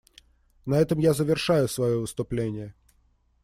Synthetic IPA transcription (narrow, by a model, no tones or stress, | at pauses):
nɐɛt̪əmjazəvʲɪrʂajʊsvɐjovɨst̪ʊplʲenʲɪjə